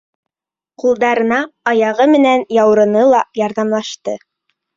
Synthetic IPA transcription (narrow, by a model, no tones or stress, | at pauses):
qulˠd̪ɑɾɤ̆nɑɑjɑʁɤmɘ̆nænjɑwɾɤ̆nɤlˠɑjɑɾðɑmlˠɑʃt̪ɤ